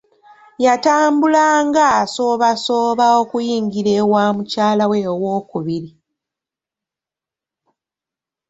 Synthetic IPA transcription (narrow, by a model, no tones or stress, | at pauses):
jataːmbulaŋɡaso̞ːβaso̞ːβaokujiːŋɡiɾeːwaːmucaːlawewo̞ːkuβiɾi